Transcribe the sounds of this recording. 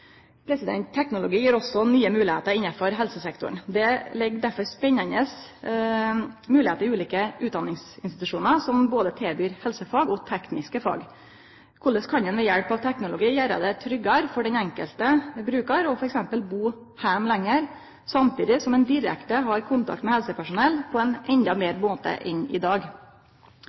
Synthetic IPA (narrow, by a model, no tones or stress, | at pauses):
pʰɾɛsɪd̪ɛ̰nt̪t̪ʰːɛknʊlʊɡiːjiːɾɔsɔnyːəmʉːlɪheːt̪əɾɪnːɑfɔɾɦɛlsəsɛkt̪ʊ̰ɳd̪ɛlɛɡːd̪æɾfɔɾspɛɲːɑnəs | mʉːlɪeːt̪əɾɪʉːliːkəʔʉːt̪d̪ɑnːɪŋsɪnst̪ɪt̪ʉʂuːnəɾsɔmboːd̪ət̪ʰɛːbyːɾhɛlsəfɑːɡɔt̪ʰɛknɪskəfɑ̰ːɡ | kʰʊlːəskʰɑnd̪ɛnʋɛjɛɽpɑʋt̪ʰɛknʊlʊɡiːjæːɾə̰d̪ɛt̪ʰɾʏɡɑɾfɔɖɛnɛŋkə̰lt̪əbɾʉːkɑɾɔfɔɾɛksɛmpəlbuː | hæmlɛŋːəɾ | sɑmt̪iːd̪ɪsɔmɛnd̪ɪɾɛ̰kt̪əɦɑɾkʰʊnt̪ɑ̰k̚t̪mɛhɛlsəpʰæʂʊnɛlpʰɔɛnʔɛnd̪ɑmeːɾmoːt̪ə̰ʔɪnɪ̰d̪ɑːɡ